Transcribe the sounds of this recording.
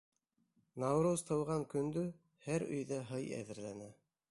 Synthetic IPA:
nɑwɾuzt̪ʰɤ̆wʁɑŋkɵ̆nd̪ɵ | hæɾɵ̰̆jðæɦɤjæ̰ðɘ̆ɾlænæ

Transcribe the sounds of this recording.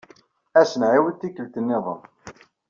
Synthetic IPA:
æsənʕiwənt̪ːikːəlt̪ənːɪðˤə̰n

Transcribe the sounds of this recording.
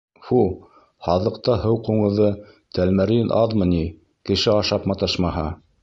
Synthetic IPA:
fu | hɑðɤ̆qt̪ɑhɤwquɴɤ̆ðɤ | t̪ælmæɾinʔɑðmɤ̆ni | kɘ̆ʃɘɑʃɑpmɑt̪ɤʃmɑɦɑ

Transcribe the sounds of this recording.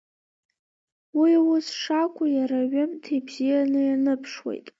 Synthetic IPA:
wiwʊsʂakʷʰʼʊjaɾaɥɨmtʰebzijanɨjanɨpʰʂwḛjtʼ

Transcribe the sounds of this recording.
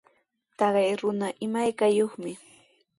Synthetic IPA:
t̪ɑɢɑjɾʊnaʔɪmajkajoχmɪ

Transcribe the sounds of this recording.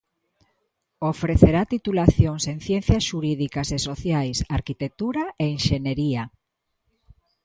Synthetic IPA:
ofɾeθeɾat̪it̪ulaθjoŋseŋ̟θjenθjasʃuɾiðikasesoθjajsaɾkit̪ek̚t̪uɾaeiŋʃeɲeɾia

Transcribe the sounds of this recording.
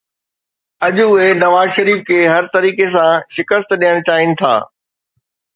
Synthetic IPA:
ɐʄʊɦenɐʋaːzʃɐɾiːfkʰeːɦɐɾt̪ɐɾiːkes̬ãʃɪkəst̪ɗijəɽ̃t͡ɕaːɦɪnɪ̆t̪ʰa̰ː

